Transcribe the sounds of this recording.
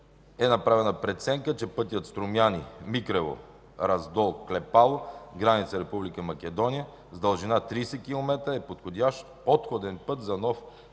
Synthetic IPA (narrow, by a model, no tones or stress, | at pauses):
ɛnɐpɾavɛnəpɾɛt̪sɛŋkət͡ʃɛpɤt̪ijət̪st̪ɾomjanimikɾɛvo̰ | ɾɐzd̪ɔlˠklɛpalˠoɡɾanit̪səɾɛpublikəmɐk̟ɛd̪ɔnijə | zd̪ɐlˠʒinat̪ɾiːsɛkilˠomɛt̪ɾəɛpot̪xod̪ʲaʃt̪pot̪xod̪ɛnpɤt̪zɐnɔf